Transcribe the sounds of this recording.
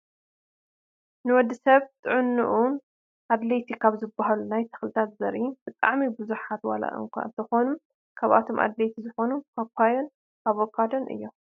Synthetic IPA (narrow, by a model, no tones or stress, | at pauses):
nɨwɔd̪ːisɐβt̪ʰɨʕɨnːɨ̰ʔu | ʔad̪let̪ʰikʰaβzɨbaɦalunajt̪ʰɐ̥xlɨt̪ʰat̪zɐɾib̥ɨt̪ʼaʕmibɨzuħat̪wa̰la̰ʔɨ̰ŋkʷʰa̰ɨnt̪ʰɐxonum | kʰaβa̰t̪ʰo̞mʔa̰d̪lejt̪ʰizɨxo̞nukʰakʷʰajon | aβokʰad̪onʔɨ̰jːom